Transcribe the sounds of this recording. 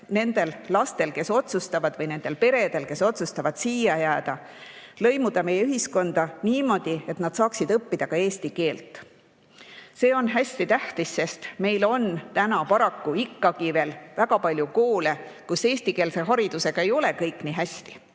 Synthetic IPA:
ne̞nd̪̥e̞llɑst̪e̞lke̞so̞t̪sust̪ɑvɑd̪vɤjne̞nd̪̥e̞lpe̞ɾe̞d̪̥e̞lke̞so̞t̪sust̪ɑvɑd̪̥siːjɑjæːd̪̥ɑ | lɤ̞jmud̪̥ɑme̞jeyɦisko̞nd̪̥ɑniːmo̞d̪̥ie̞t̪nɑd̪̥sɑːksid̪ɤpːid̪̥ɑkɑe̞ːst̪ike̞ːlt̪ˑ | se̞ːo̞nɦæsʲt̪it̪æht̪isːe̞st̪me̞jlo̞nt̪ænɑpɑɾɑkːuikːɑɡive̞ːlvæɡɑpɑlʲjukoːlekuse̞ːst̪ikeːlse̞ɦɑɾid̪̥use̞ɡ̥ɑe̞jo̞le̞kɤjkːˑniːɦæsʲt̪i̥

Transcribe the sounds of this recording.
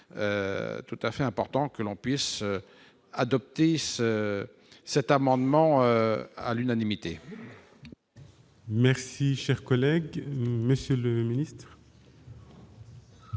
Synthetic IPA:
ø̰t̪ut̪afɛɛ̃pɔʁt̪ɑ̃kəlɔ̃pɥisø | ad̪ɔp̚t̪esə | sɛt̪amɑ̃d̪mɑ̃øa̰lynanimit̪e | mɛʁsiʃɛʁkɔlɛɡməsjøləminist̪χ

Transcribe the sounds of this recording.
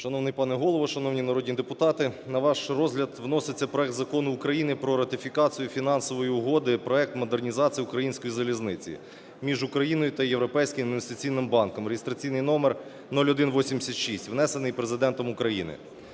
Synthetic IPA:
ʃɐnɔwnɪjpɑnɛɦɔlˠɔʋɔʃɐnɔwnʲinɐɾɔdʲnʲid̪epʊt̪ɑt̪ɪnɐʋɑʃrɔzɦlʲɐd̪ʋnɔsɪt͡sʲːɐpɾɔɛk̚t̪zɐkɔnʊːkɾɐjinɪpɾɔɾɐt̪ʲɪfʲikɑt͡sʲijufʲin̪ɑnsɔʋɔjiʊɦɔd̪ɪpɾɔɛk̚t̪mɔd̪ernʲizɑt͡sʲijiukɾɐjinʲsʲkɔjizɐlʲiznɪt͡sʲḭ | mʲiʒʊkɾɐjinɔjʊt̪ɐjeʋɾɔpɛjsʲkʲɪmɐd̪mʋest̪ɪt͡sʲijnɪmbɑnkɔmɾeɦɪst̪ɾɐt͡sʲijnɪjnɔmɛr | nɔlʲɔd̪ɪnʋɔsʲimʲdʲsʲɐt̪ʃisʲtʲʋnɛsenɪjpɾezɪd̪ɛnt̪ɔmʊkɾɐjinɪ̰

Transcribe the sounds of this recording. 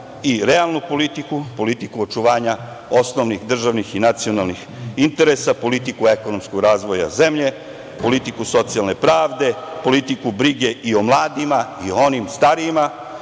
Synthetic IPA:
iɾe̞alˠnupo̞lit̪ikupo̞lit̪ikuot͡ʃuʋaːɲa | o̞snoʋnixd̪r̩ʒaʋnixinat̪sionalˠnix | int̪e̞ɾesapo̞lit̪ikueko̞nomskoɡɾaːzʋo̞ja̰ze̞mʎe̞ | po̞lit̪ikuso̞t̪sialˠne̞pɾaːʋd̪e̞po̞lit̪ikubɾiɡe̞ʔio̞mlˠaːd̪imaioo̞nimst̪aɾiːma

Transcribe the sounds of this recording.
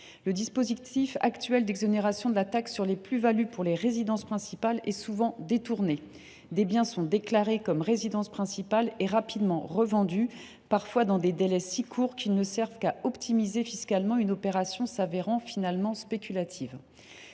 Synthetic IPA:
ləd̪ispozit̪ifa̰kt̪ɥɛld̪ɛɡzɔneʁasjɔ̃d̪əlat̪aksyʁleplyvalypuʁleʁezid̪ɑ̃spχɛ̃sipalɛsuvɑ̃d̪et̪uʁne | d̪ebjɛ̃sɔ̃d̪eklaʁekɔmʁezid̪ɑ̃spχɛ̃sipalɛʁapid̪mɑ̃ʁəvɑ̃d̪y | paʁfwad̪ɑ̃d̪ed̪elɛsikʰuʁkʲilnəsɛʁvkaɔpt̪ʰimizefiskalmɑ̃ynɔpeʁasjɔ̃saveʁɑ̃finalmɑ̃spekʲylat̪ʰiv

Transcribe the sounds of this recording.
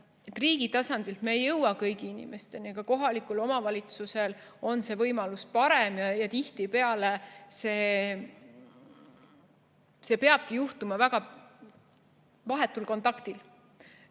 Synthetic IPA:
et̪ːˑriːɡ̥it̪ɑsɑnd̪ilt̪meːjːɤwɑkɤjɡiinḭmʔe̞st̪e̞niɡ̥ɑko̞ɦɑlikːˑulo̞mɑvɑlʲit̪suse̞lo̞nse̞vɤjmɑluspɑɾe̞mjɑjɑt̪iht̪ipe̞ɑlese̞ː | se̞pe̞ɑb̥̚kijuht̪umɑvæɡɑ | vɑɦe̞t̪ːˑulko̞nt̪ˑɑkt̪il

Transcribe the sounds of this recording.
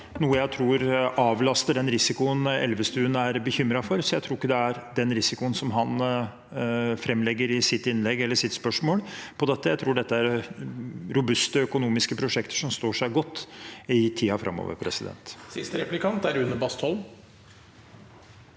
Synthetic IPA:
nuːəjæɪt̪ʰɾuːɾɑːʋlɑst̪əɖɛnɾɪsɪkʊənɛ̰lʋəst̪ʉːənæɾbəçʏmɾɑfɔɾsɔjæɪt̪ʰɾuːɪkːəd̪ɛæɾd̪ɛnɾɪsɪkʊənsɔmɦɑn | fɾɛmːlɛɡːəɾɪsɪt̪ːɪnlɛɡːɛlːəʂɪt̪spœʂmoːlpʰɔd̪ɛt̪ːəjæɪɾuːɖɛt̪ːəæɾ | ɾʊbʉst̪əœkʊnuːmɪskəpʰɾʊʂɛkt̪ə̥ʂɔmst̪oːʂæɪɡɔt̪ːɪt̪ʰiːɑfɾʔɑ̰mːɔ̰ːʋə̰ɾpʰɾɛsɪd̪ɛ̰nt̪sɪst̪əɾɛplɪkʰɑnt̪æɾʉnːəbɑst̪hɔlm

